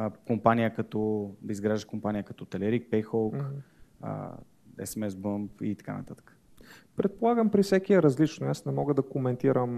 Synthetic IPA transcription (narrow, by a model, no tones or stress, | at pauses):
kompanʲijəkɐt̪ɔd̪əizɡɾaʒəkompanijəkɐt̪ɔt̪ɛlɛɾik̚pɛjxɔlˠkə̰ | ɛ̰sɛmɛsbəmpit̪ɐ̥ka̰nɐ̰t̪at̪ə̥kə̥ | pɾɛt̪̚polˠaɡəmpɾifsɛk̟iɛɾɐzlit͡ʃnʊasnɛmɔɡəd̪ɐkomɛnt̪iɾəm